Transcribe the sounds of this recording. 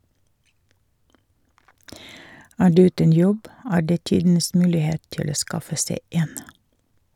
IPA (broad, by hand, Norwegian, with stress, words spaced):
ˈæː ˈɖʉː ˈʉːtən ˈjɔb ˈæːɾ ˈdeː ˈtiːdn̩əs ˈmʉːlɪˌheːt ˈtɪl ˈoː ˈskɑfə ˈseɪ ˈeːn